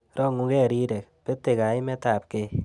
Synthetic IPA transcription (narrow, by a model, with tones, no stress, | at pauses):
rʔɔ˦ŋu˧kɛ˦˨ɾi˦ɾe˨k̚pe˦te˨ka˨i˦mɛ˦ta˨p̚ke˦